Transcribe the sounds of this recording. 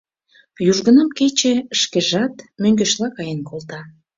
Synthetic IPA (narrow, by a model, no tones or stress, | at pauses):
juʒɣə̆nəmket͡ɕĕəʃkeʒɑt̪møŋɡeʃlɑkɑjənkʰolt̪ɑ